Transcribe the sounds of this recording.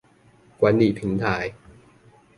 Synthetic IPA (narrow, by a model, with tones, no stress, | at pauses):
kwa˧˥ndiː˨˩p̪ʰɯ˨˦ŋt̪ʰaː˧˩j